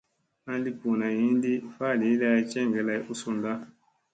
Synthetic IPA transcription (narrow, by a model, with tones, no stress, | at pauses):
a˦n˦di˦ku˨na˨ji˦ndi˦fa˦˨li˨˦la˦i˦t͡ʃɛ˦ŋɡɛ˨la˨i˦˨ʔu˦su˦nda˦